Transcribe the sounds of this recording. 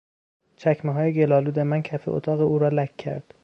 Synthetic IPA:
t͡ʃʰæcʰmeɦɒːjeɟe̞lɒːluːd̪e̞mæncʰæfḛʔo̰t̪ʰɒːɣeuːɾɒːlækʰːæ̰ɾd̪̥

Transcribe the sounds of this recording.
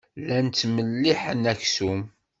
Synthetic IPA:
lænt̪ːməlːiħənæçsum

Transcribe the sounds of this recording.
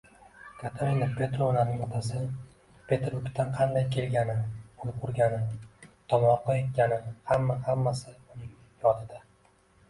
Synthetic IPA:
kʰat̪ʰaɾinapʰʲe̞t̪ɾonanɪŋɒt̪ʰasɪ | pʰe̞t̪ɾʊkʲt̪ʰanqʰɑnd̪ajkʲʰe̞lɡʲanɪolˠp̚qʰʊɾɡʲanɪt̪ʰɒmɒɾqɑe̞t̪̚kʲanɪhamːahamːasɪʊnɪŋ | jɒd̪ɪd̪a

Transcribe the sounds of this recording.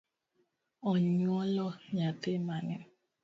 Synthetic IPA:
ɔɲɔlɔɲatɪmanɛ

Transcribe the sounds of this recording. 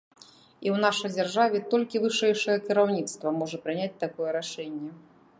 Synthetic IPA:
iwnaʂɐjd͡zʲarʐavʲɛt̪ɔlʲkʲivɨʂɛjʂɐjɛkʲiɾawnʲit̪st̪vɐmɔʐɐpɾɨnʲat͡sʲt̪akɔjɛɾaʂɛnʲːɛ

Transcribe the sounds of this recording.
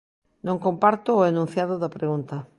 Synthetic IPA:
nõŋkompaɾt̪ʊːenũn̟θjaðʊðapɾeɣunt̪ɐ

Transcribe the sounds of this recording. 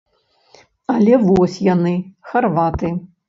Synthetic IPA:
alʲɛvɔsʲjanɨxarvat̪ɨ

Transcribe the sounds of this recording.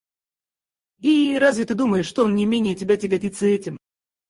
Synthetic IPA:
iɾazvʲɪt̪ɨd̪uməjɪʂt̪onʲɪmʲenʲɪjətʲɪbʲatʲɪɡʲɐtʲit̪sːəɛtʲɪm

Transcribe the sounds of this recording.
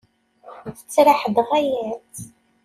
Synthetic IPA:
θə̥t͡sːɾaħəd̪ʁæjæθ

